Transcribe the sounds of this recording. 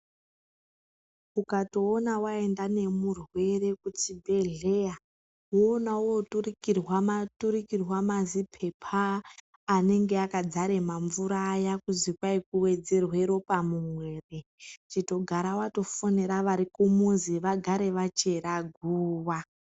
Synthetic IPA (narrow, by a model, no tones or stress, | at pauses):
ukato̞ːnawae̞ndane̞murwe̞re̞kut͡ʃibʱe̞ɮe̞ja | woːnauoturikirwamatuɾikirwamazipʰe̞pʰaː | ne̞ŋɡe̞akad͡zaɾe̞maɱvuɾajakuzikwaikuwe̞d͡ze̞rwe̞ɾo̞pamumwe̞ːret͡ʃito̞ɡʱaɾawato̞foneɾaʋaɾikumuziʋaɡʱaɾe̞ʋat͡ʃe̞ɾaɡʱuːwa